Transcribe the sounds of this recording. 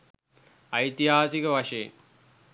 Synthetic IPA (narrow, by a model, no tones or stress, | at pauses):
ɐjt̪iɦaːsikɐʋɐʂɐj̰